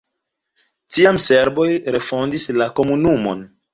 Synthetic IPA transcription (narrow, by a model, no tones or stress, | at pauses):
tiamse̞ɾbo̞jɾe̞fo̞ndislako̞munumo̞̰n